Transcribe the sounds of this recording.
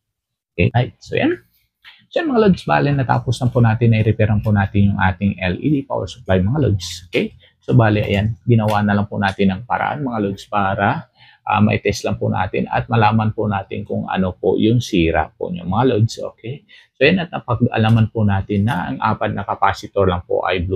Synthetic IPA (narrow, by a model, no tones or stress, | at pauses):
ʔʔokɛ̰jat̪̚so̰ja̰n | soʔɐŋmɐŋalod̪sba̰ːlɛnːɐt̪a̰ːpʊslɐŋpʊnaːt̪ɪnːɐʔɪɾɛpɛɾɐnpʊnaːt̪ɪnjʊŋʔaːt̪ɪŋɛlʔḭd̪ipa̰ʔo̰lsʊ̥plajmɐŋalo̰dsʔokɛj | sobaːlɪʔɐ̰janɡɪnɐwaʔnɐlɐŋpʊnaːt̪ɪnːɐŋpɐɾɐ̰ʔa̰nmɐŋalod̪spaːɾɐ | ʔa̰mɐ̰ʔɪt̪ɛst̪lɐŋpʊnʔa̰ːt̪ɪ̰nɐ̰t̪̚mɐlaːmɐnpʊnaːt̪ɪ̰nkʊŋɐ̰nopo̰jʊŋsiːɾa̰poʔɲʊŋmɐŋalodsʔo̰ːkʰɛjsojanɐt̪̚nɐpɐɡɐ̰lamɐnpʊnaːt̪ɪnːɐʔɐŋʔa̰ːpɐt̪̚nɐkɐpaːsɪt̪oɹlɐŋpo̰ʔɐ̰jblu